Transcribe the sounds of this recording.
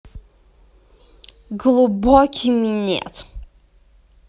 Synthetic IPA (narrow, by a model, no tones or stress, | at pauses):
ɡlˠubɔkʰiminiɛ̰t̪ʰ